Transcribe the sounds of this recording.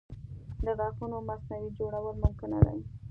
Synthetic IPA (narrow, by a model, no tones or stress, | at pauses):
d̪əɣɑxunomasnawid͡ʒoɽawəlmʊmkɪna̰d̪a̰j